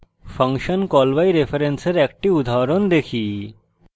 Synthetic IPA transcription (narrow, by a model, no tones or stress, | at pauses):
fʰə̃ŋkʃənkɔlʋaiɾefʰəɾensəɾɛk̚ʈiʋud̪ʱaɾond̪ekʰiː